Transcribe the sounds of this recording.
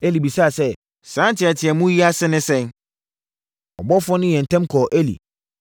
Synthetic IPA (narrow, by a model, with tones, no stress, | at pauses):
e˦li˨bi˨saː˦˨sɛ˦ | sã˨˦n˦tʰɪ˨ɛ˨tʰɪ˨ɛ˨mũ˦ji˦a˦sɪ˦nɪ̃˦sɛ̃˦n | ɔ˨bɔ˦fɔ̃˦nʊ̃˦jɛ̃˨n̩˨tʰɛ̃˦mkʰɔ˨ʔe˦lḭ˨